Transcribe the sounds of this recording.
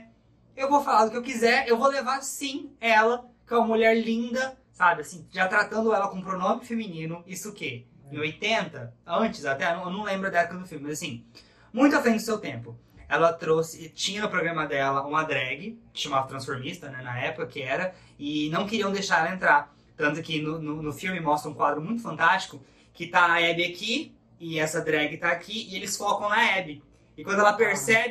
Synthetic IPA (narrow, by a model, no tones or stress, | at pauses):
ewvofalaɾd̪ʊkɪewkizɛɾewvolevaɾsĩɛlɐkɪɛũmɐmuʎɛɾlĩnd̪ɐ | sabɪasĩʒat̪ɾat̪ɐ̃nd̪ʊɛlɐkõũpɾonõmɪfeminĩnʊisʊke | ẽojt̪ẽnt̪ɐɐ̃nt͡ʃɪsat̪ɛnɐ̃w̃ewnɐ̃w̃lẽmbɾʊd̪ɐɛpʊkɐd̪ʊfiwmɪmazasĩ | mũj̃t̪ʊafɾẽj̃d̪ʊsewt̪ẽmpʊɛlɐt̪ɾosɪt͡ʃĩɲɐnʊpɾoɡɾɐ̃mɐd̪ɛlɐũmɐd̪ɾɛɡɪkɪ̥ʃamavɐt̪ɾɐ̃sfoɾmist̪ɐnɛnɐɛpʊkɐkɪɛɾɐ | ɪnɐ̃w̃kɪɾiɐ̃d̪ejʃaɾɛlɐẽnt̪ɾaɾ | t̪ɐ̃t̪ʊkɪnʊnʊnʊfiwmɪmɔst̪ɾɐũkwad̪ɾʊmũj̃t̪ʊ̥fɐ̃nt̪ast͡ʃi̥kʊ | kɪt̪aɐɛbɪaki | ɪɛsɐd̪ɾɛɡɪt̪aːkʰiɪelɪsfɔkɐ̃w̃nɐɛbɪ | ɪkwɐ̃d̪ʊɛlɐpeɾsɛbɪ